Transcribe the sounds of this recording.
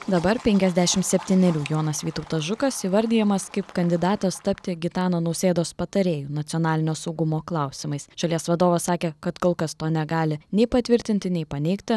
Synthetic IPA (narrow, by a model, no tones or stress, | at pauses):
d̪ɐbɐɾpʲɛŋʲkʲɛzʲd̪ʲæʃʲɪmt̪sʲɛpʲt̪ʲiːnʲɛɾʲuːjoːnɐsʋʲiːt̪ɐʊt̪ɐsʒʊkɐsiʋɐɾʲd̪ʲiːjɛmɐskɐɪpkɐnʲd̪ʲɪd̪ɑːt̪ɐst̪ɐpʲt̪ʲɪɡʲɪt̪ɑːnoːnɐʊsʲeːd̪oːspɐt̪ɐɾʲeːjuːnɐt̪sʲɪɔːnɑːlʲɪnʲoːsɒʊɡʊmoːklˠɑˑʊsʲɪmɐɪsʒ̥ɐlʲiɛsʋɐd̪oːʋɐssɑːkʲeːkɐt̪koːlˠkɐst̪oːnʲɛɡɑːlʲɪnʲɛɪpɐt̪ʲʋʲɪɾʲt̪ʲɪnʲt̪ʲɪnʲɛɪpɐnʲɛɪkt̪ʲɪ